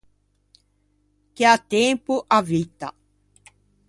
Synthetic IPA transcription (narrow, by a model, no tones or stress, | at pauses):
kiat̪eːmpuʔavit̪a̰